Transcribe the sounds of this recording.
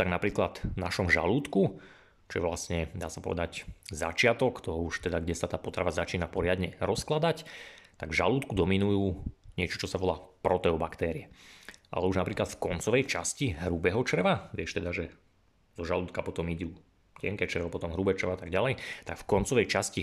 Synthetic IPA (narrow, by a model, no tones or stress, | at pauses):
t̪aɡnapɾiːklad̪naʃɔmʒa̰luːt̪ku | t͡ʃɔ̰jɛ̰ʋlasɲɛd̪a̰ːsḁpɔ̰ʋɛ̰d̪aczat͡ʃɪat̪ɔkt̪ɔɦɔuʃt̪ɛd̪aɡɟɛsat̪aːpɔt̪ɾa̰ʋazat͡ʃiːnapɔɾɪad̪ɲɛɾɔsklad̪act̪aɡʒaluːt̪kud̪ɔminujuːɲɪɛt͡ʃɔ̥t͡ʃɔsaʋɔlaːpɾɔt̪ɛɔbakt̪ɛːɾiɛʔa̰lɛuʒnapɾiːklat̪fkɔnt͡sɔʋɛjt͡ʃasciɦɾubɛɦɔt͡ʃr̩ʋaʋɪɛʃt̪ɛd̪aʒɛ | zɔʒaluːt̪̚kapɔt̪ɔmiɟuː | cɛŋkɛːt͡ʃr̩ʋɔpɔt̪ɔmɦɾubɛt͡ʃrʋaat̪aɡɟalɛjt̪akfkɔnt͡sɔʋɛjt͡ʃasci